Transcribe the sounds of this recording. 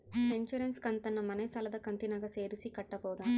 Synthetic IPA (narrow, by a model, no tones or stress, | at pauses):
eɲt͡ʃuɾenskɐnt̪ɐnːɐmɐnesɐlɐd̪ɐkɐnt̪inɐɡɐseːɾisikɐʈːɐpɔːd̪am